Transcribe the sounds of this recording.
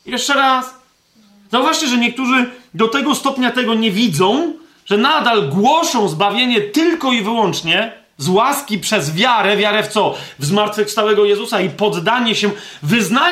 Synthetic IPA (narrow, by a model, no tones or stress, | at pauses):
jɛʂt͡ʂɛɾas | zauvaʂt͡ɕɛʐɛɲɛk̚t̪uʐɘd̪ɔt̪ɛɡɔst̪ɔpɲat̪ɛɡɔɲɛvʲid̪zɔ̃w̃ | ʐ̥ɛnad̪alɡwɔʂɔ̃w̃zbavʲjeɲɛt̪ɘlkɔivɘwɔnt͡ʂɲɛ | zwaskʲipʂɛzvʲjaɾɛvʲjaɾɛft̪sɔvzmaɾt̪fɘxfst̪awɛɡɔjɛzusaipɔd̪ːaɲɛɕɛvɘzna